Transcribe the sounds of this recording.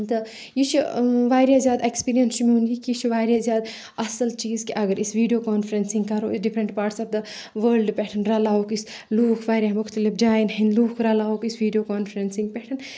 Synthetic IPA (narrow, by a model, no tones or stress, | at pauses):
t̪ɐ | jit͡ʃʰiʋaːjɾjazʲjaːd̪ekspiːɾijɐnst͡ʃmiunɡikit͡ʃʰiʋaːɾjazjaːd̪ | ɐsəlt͡ʃiːzkeʔɐɡəɾisʋiːɖijoːkaːnfʰɾensĩŋɡkɐɾoːisɖipʰɾə̃ɳʈpaːɾʈsaːp̚d̪ɐ | ʋəɾlɖpɛʈʰənɾɐlaːokis | luːkʰʋaːɾʲamʊkʰt̪ɐlipd͡ʒaːjnɦɐ̃nluːkʰɾɐlaːokisʋiːɖijokaːnfɾensĩŋɡ̚pɛʈʰən